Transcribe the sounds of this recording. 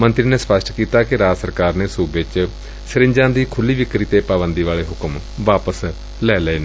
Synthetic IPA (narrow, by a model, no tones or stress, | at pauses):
mənt̪ɾiːneːspəsʈʰkiːt̪aːkɪɾaːd͡ʒsəɾkaːɾneːsuːbɪt͡ʃ | sɪɾɪ̃ɲd͡ʒãːd̪iːkʰʊlːiːʋɪkɾiːt̪eːpaːbənd̪iːʋaːleːɦʊkəm | ʋaːpəs | lɛːlɛiːnː